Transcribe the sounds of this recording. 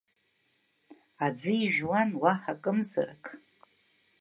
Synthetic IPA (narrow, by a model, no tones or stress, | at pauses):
ad͡zɨiʒᶣwanwaħakʼɨmzɨ̰rakʼ